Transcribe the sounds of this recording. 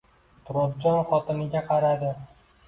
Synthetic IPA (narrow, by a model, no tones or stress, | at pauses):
t̪ʰɾob̪d͡ʒɒnχɒt̪ɪnɪɡʲaqʰɑɾad̪ɪ